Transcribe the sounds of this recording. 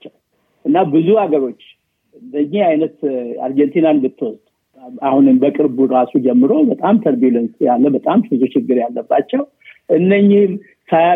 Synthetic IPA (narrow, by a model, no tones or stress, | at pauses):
t͡ʃːɛw | ʔɨnːabɨzuaɡəɾo̞t͡ʃː | ɨnd̪əɲːɪhajnət̪a̰ɾd͡ʒent̪ʰinanbɨt̪ʰːɨwɔst̪ʼu | ahunɨmbəkʼɨɾbuɾasud͡ʒɛmːɨɾo̞bət̪ʼamt̪ʰəɾbjulənsjalːəbət̪ʼambɨzut͡ʃɪɡːɨɾjalːəbːat͡ʃːɛw | ʔɨnːəɲːɪhm | sa